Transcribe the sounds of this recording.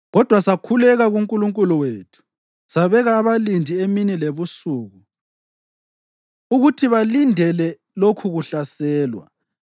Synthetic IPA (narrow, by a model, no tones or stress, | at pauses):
ɣɔd̥ʱwasakʰulɛɣaɣuŋkʼuluŋkʼuluweːtʰu̥ | saβɛɣaːβalindʱieminileβusuːɣu | uɣutʰiβalindʱɛlɛ | lokʰuɣuɬasɛːlwa̰